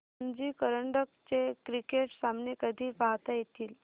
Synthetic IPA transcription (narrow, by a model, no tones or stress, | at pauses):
nd͡ʑikəɾəɳɖək̚t͡ɕekɾikeʈsamnekəd̪ʱiːpaɦt̪ajet̪iːl